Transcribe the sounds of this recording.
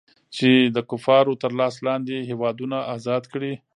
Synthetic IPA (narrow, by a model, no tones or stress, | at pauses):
t͡ʃed̪əkʊfɑɾot̪əɾlɑslɑnd̪eɦewɑd̪unaʔɑzɑd̪kɽi